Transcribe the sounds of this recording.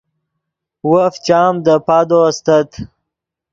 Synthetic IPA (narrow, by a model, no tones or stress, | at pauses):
wəft͡ʃɑːmd̪əpad̪ost̪ət̪